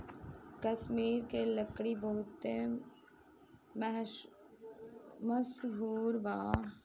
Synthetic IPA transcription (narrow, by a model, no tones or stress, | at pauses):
kəsmiːɾkeləkɽiboɦʊt̪ːe | m | məsɦuːɾbaː